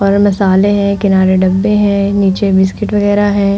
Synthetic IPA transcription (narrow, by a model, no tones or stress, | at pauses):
ɔːɾmɐsaːleɦɛ̃kɪnaːɾeɖɐbːeɦɛ̃ːniːt͡ʃebɪskɪʈʋɐɣɛːɾaɦɛ̃ː